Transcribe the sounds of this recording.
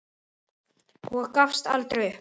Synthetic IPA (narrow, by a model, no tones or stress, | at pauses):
huakafst̪a̰lt̪ɾeʏ